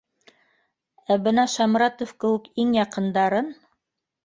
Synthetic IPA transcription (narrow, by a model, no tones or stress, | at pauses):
æbɤnɑʃɑmɾɑt̪ofkɘ̆wɘ̆kiŋjɑqɤ̆nd̪ɑɾɤn